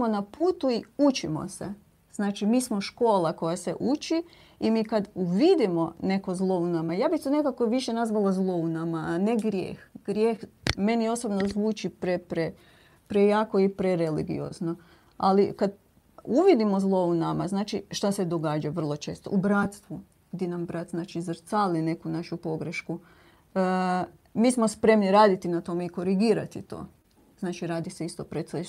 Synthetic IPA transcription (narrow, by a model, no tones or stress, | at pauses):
monapuːt̪uiut͡ʃimo̰se | z̥naːt͡ʃimiːsmo̞ʃko̞ːlako̞jasḛʔut͡ʃi | imiːkad̪uʋid̪imo̞ne̞ko̞zlˠo̞unamajaːbit̪one̞kakoʋiʃenazʋalazlˠo̞unamaneɡɾjḛːxɡɾjeːxme̞nio̞sobnozʋuːt͡ʃipɾepɾe | pɾejaːkoipɾeɾelḭɡḭo̰zno | alikad̪ | uʋid̪imo̞zlˠo̞unama̰znaːt͡ʃiʃt̪ase̞d̪o̞ɡaːd͡ʒaʋər̩lˠo̞t͡ʃe̞ːst̪oʔubɾat̪st̪ʋu | ɡ̥d̪jenambɾat̪znaːt͡ʃizrt̪saːline̞kunaʃupo̞ɡɾeʃku | miːsmo̞spɾe̞mniɾaːd̪it̪inat̪o̞meiko̞ɾiɡiːɾat̪it̪o̰ː | znaːt͡ʃiɾaːd̪ise̞ist̪opɾet̪se